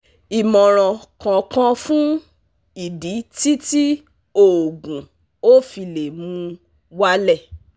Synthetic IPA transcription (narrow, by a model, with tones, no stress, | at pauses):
i˨mɔ̃˨ɾ̃ɔ̃˨kã˨kã˧fũ˦ | i˨di˨˦ti˦ti˦ | o˦˨ɡũ˨ | o˦fi˧le˨mũ˧ | wa˦lɛ˦˨